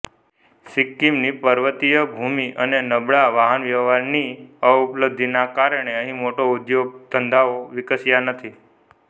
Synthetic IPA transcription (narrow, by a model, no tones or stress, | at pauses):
sɪkːimnipəɾʋət̪ijəbʱumiʔənenəbɭaʋaɦənʋjəʋɦaɾniəupləb̚d̪ʱinakaɾəɳ̃eəɦĩmoʈoud̪joɡ̚t̪ənd̪ʱaoʋɪkəsjanət̪ʰi